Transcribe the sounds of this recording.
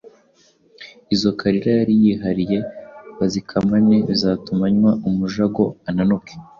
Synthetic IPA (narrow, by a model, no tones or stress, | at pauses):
izo̞kʰaɾiɾajaɾijiɦaɾije̞βazikʰamaneβizaːtumaɲwaumuʒaɡo̞ananoke̥